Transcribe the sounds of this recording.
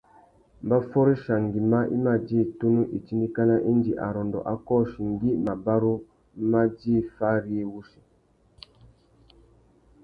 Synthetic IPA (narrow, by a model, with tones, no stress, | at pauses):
mba˦fɔ˦ɾi˦ʃa˨ŋ˨ɡi˨ma˦ʔḭ˦ma˦˨d͡ʒi˦˨tu˦nu˦ʔi˨t͡ʃi˦ndi˦ka˦na˦ʔi˦nd͡ʒi˨ʔa̰˨ɾɔ˨ndɔ̰˨ʔa˨˦kɔ˦˨ʃi˨ŋɡi˦ma˨ba˦ɾu˦ | ma˦d͡ʒi˦˨fa˦ɾi˦e˦wu˦ʃi˨